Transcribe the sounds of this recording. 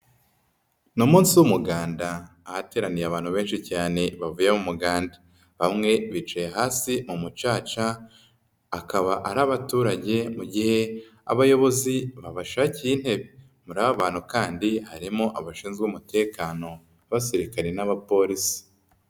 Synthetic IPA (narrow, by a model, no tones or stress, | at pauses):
nomuːnsiwumuɡaːndaː | hate̞ːɾanijaβaːnhuβe̞ːnʃicaːne̞βavuje̞mumuɡaːnda | βamŋe̞βit͡ʃejeɦaːsimumut͡ʃaːt͡ʃaː | kaβaʔaɾaβatuːɾaɟe̞muɟihe̞ | a̰βajo̞βo̞ziβaβaʃaciin̥he̞βe | muɾaβaβaːnhukaːndihaɾimo̞ʔaβaʃiːnzɡumute̞ːkaːno̞ | aβasiɾikaɾenaβapo̞ːɾisi̥